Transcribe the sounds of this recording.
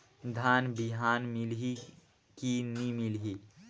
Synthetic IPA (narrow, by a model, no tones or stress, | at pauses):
d̪ʱaːnbɪɦaːnmɪlɦi | kinimɪlɦi